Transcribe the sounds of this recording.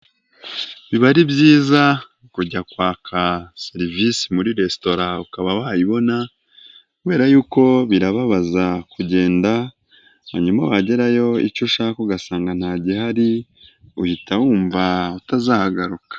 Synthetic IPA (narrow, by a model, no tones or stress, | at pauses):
βiβaɾibɟiːza | kuɟakwaːkʰaseɾivisimuɾiɾe̞sto̞ɾaukaβawahaiβo̞na | kuβe̞ːɾajuːko̞βiɾaβaβazakuɟe̞ːnda | ha̰ɲumaβaɟe̞ɾajo̞ḭt͡ʃuʃakuɡasaːŋɡan̥haːɟihaɾi | uhitawuːɱvautazaːhaɡaɾukḁ